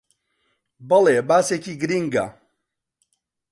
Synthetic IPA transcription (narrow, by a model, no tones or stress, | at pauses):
bɐlebaːsekiɡɾiŋɡa̰